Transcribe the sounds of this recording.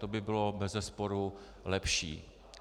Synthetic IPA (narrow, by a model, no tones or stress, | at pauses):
t̪obɪbɪlobɛzɛspo̞ɾu | lɛpʃḭː